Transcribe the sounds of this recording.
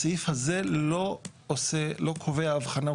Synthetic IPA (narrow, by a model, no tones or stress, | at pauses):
saifhazeloselo̞kʰoveaːvχana